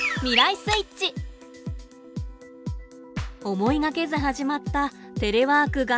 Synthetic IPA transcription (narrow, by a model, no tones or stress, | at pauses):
mʲiɾaisɨit͡ɕi | o̞mo̞iɡake̞zɨɦaʑimat̪ːat̪e̞ɾe̞βaːkɯ̟ɡa